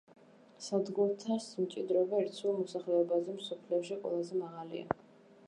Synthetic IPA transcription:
sad̪ɡuɾt̪ʰasmt͡ʃʼid̪ɾɔbaɛɾt̪sʰulˠmɔsaχlɛɔbazɛmsɔpʰliɔʃiqʼwɛ̰lˠazɛmaʁalḭa̰

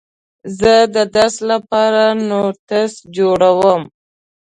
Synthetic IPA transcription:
zəd̪əd̪aslapɑɾanoɾt̪asd͡ʒoɽawəm

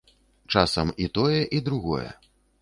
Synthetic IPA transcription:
t͡ʂasɐmit̪ɔjɛʔid̪ɾuɣɔ̰jɛ̰

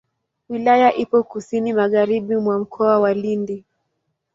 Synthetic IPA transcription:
wilajaʔipɔkusinimaɣaɾiɓimwam̩kʰɔawalindi

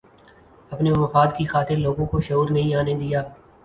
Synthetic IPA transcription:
ɐpnemɐfaːd̪kixaːt̪ɪɾloːɡõkoʃɐɦuːɾnɐɦĩaːned̪ijaː

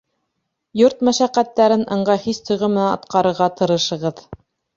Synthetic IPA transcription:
joɾt̪mæʃæqːæt̪ːæɾɘnʔɤ̆ɴɢɑhist̪ʰŏjʁɤmɘ̆nænɑ̰t̪qɑɾɤ̆ɾʁɑt̪ɤ̆ɾɤ̆ʃɤ̆ʁɤð

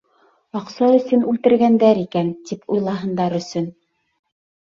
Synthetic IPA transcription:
ɑqsɑɵ̆sɵnʉlt̪ɘ̆ɾɡænd̪æɾikænt̪ipujlˠɑɦɤ̆nd̪ɑɾɵ̆sɵn

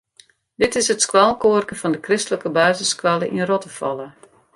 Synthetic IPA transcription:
dɪtɪsətskwalˠkoərkənfɔndəkrɪstələkəbaːzəskwalˠəʔinrɔtəfɔ̰lˠə

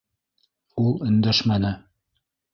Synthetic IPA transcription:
ulˠɵ̆nd̪æʃmænɘ

